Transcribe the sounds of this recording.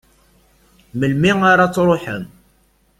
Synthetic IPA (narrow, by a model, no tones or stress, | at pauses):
məlmiŋaɾat͡sːɾˤoħə̰m